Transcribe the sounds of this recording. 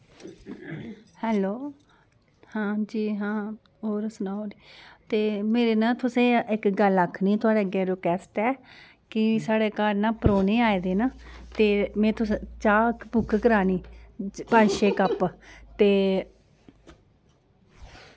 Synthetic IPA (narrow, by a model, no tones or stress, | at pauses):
hɛːloː | hãːd͡ʒiːɦãː | ɦoːɾsʊnaːoːɾiːt̪eːmeːɾeːnãːt̪ʰʊsẽːɪkɡəlakʰːniːt̪ʰʊaːɽeːəɡeːɾokɛːsʈɛː | kɪsaːɽeːkaːɾnãːpɾoːneːaːeːd̪eːnaːt̪eːmɛ̃ːt̪ʊst͡ʃaːkbʊkʰːkəɾaːniːpənʃeːkəpt̪eː